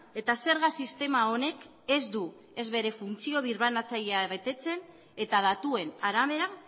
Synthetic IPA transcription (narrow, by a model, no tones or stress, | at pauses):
e̞t̪ase̞ɾɣasist̪e̞mao̞ne̞k | e̞zd̪u | e̞zβe̞ɾe̞funt͡sio̞β̞iɾβanat͡saʎeaβe̞t̪e̞t͡se̞n | e̞t̪að̞at̪ue̞naɾaβ̞e̞ɾa